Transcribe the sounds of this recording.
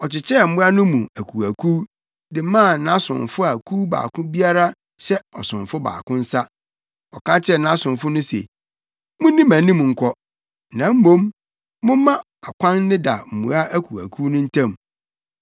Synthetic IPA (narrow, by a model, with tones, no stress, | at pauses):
ɔ˨t͡ɕɪ˨t͡ɕʰɛ˦˨m̩˦mʊ̃˦a˦nʊ̃˦mũ˨æ˨kʰu˨æ˨kʰu˦ | dɪ˨˦mã˦˨nã˦sʊ̰̃˨nfʊ˦a˨kʰu˦ba̰ː˨kʰʊ̃˦bi˦a˦ɾa˦ | ɕɛ˦ɔ˨sʊ̃˨nfʊ˦ba̰ː˨kʰʊ̃˦n̩˦sa˦ | ɔ˨kã˦t͡ɕʰɪ˦ɛ˦˨nã˦sʊ̃˨nfʊ˦nʊ̃˦sḛ˨ | mʊ̃˦nĩ˦mã˨˦nĩ˦mũ˨ŋ̩˨kʷʰɔ˦ | nã˨˦m̩˦mõ˦m | mʊ̃˦mã˦ | a˨kʰʷã˦n˦nɪ̃˦da˨m̩˨mṵ̃˨a˦ʔæ˦kʰu˨æ̰˨kʰu˦nʊ̃˦n̩˦tʰã˦m